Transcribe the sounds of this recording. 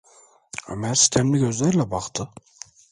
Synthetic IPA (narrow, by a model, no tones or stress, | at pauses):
a̰mæɾsi̥c̪ʲʰæmlʲiɟø̞zlʲæɾlʲɛbaqt̪ʰɯ